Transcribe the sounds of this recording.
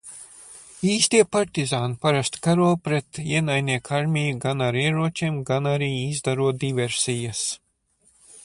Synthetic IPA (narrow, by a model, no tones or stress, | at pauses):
iːst̪iɛpaɾt̪izaːnpaɾast̪kaɾuːpɾet̪iɛnajniɛkʰaɾmʲijuɡanaɾiɛɾuɔt͡ʃeːmɡanaɾiːizd̪aɾuɔt̪̚d̪ivʲɛɾsʲijas